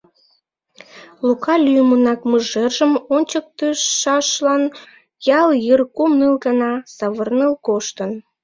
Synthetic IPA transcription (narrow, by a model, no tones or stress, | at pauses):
lukɑlʲyjmənɑkməʒerʒəmonʲt͡ɕək̚t̪əʃɑʃlɑn | jɑljərkumnɨlɣənɑsɑβərnəlkoʃt̪ən